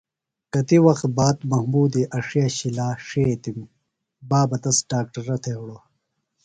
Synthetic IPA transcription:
kɐt̪iwɐxt̪̚baːt̪mɐhmuːd̪iʔɐʂijaɕilaːʂet̪im | baːbɐt̪ɐsɖaːk̚ʈɐɾːɐt̪ʰewɽoː

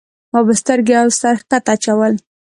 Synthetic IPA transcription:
abəst̪əɾɡeawsaɾhkat̪at͡ʃawəl

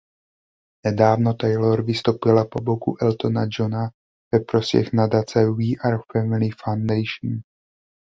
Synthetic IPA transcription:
nɛdaːvno̞t̪ajloɾvɪst̪owpɪlapo̞bokṵʔɛlt̪o̞nad͡ʒona | vɛpɾo̞spjɛ̰xnadat͡sɛiːʔaɾfɛmɪlɪfawnd̪ɛjʃn

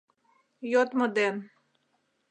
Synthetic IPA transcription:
jot̪mod̪en

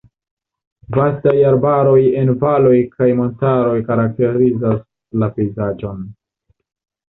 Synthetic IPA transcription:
vastajaɾbaɾo̞je̞nvalo̞jkʰajmo̞ntaɾo̞jkaɾak̚te̞ɾizas | lape̞jzad͡ʒo̞n

